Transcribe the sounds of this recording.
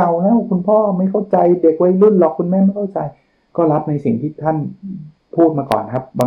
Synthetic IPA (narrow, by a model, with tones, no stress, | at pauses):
a˧˩wla˦˥kʰu˧npʰɔː˥˩ma˥˩jkʰa˥˩wt͡ɕa˧jde˨˩k̚wa˦˥jlu˥˩nlɔ˨˩kʰːu˧nmɛː˥˨nma˥˩jkʰa˥˩wt͡ɕa˧j | kɔː˥˩la˦˥p̚na˧jsi˨˩ŋt̪ʰiː˥˩t̪ʰa˥˩n | pʰuː˥˩t̪̚maː˧kɔ̰ː˨˩nkʰa˦˥p̚baː˧